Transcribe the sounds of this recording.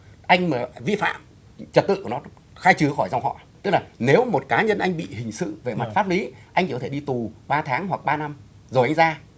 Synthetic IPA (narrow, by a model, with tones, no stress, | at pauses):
ʔa˧jŋ̟maː˨˩vi˧fa̰ː˧˨m | t͡ɕə˨˩t̚t̪ɨ̰˧˨ku˧˩nɔ˨˦ | xaː˧jt͡ɕɨ˨˦əxɔ˧˩jza˧wŋ͡mhɔ̰˧˨t̪ɨ˦˥k̚laː˨˩ne˨˦wmo˨˩t̚kaː˨˦ɲə˧nʔa˧jŋ̟ɓḭ˧˨hï˨˩ŋ̟sɨ̰˧˨ve˨˩ma˨˩t̚faː˦˥t̚li˨˦ʔa˧ŋt͡ɕi˧˩kɔ˨˦t̪ʰe˧˩ɗi˧t̪u˨˩ɓaː˧t̪ʰaː˨˦ŋɦwa˨˩k̚ɓaː˧na˧m | zo˨˩jʔa˧jŋ̟zaː˧